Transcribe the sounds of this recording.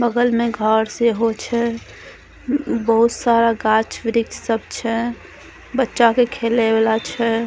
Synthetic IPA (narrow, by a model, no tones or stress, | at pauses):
bəɡəlmẽɡʱəɾseɦot͡ʃʰɛ | bəɦut̪saɾaɡat͡ʃʋɾiksəbʱt͡ʃʰɛ | bətːʃakekʰeleblat͡ʃʰɛ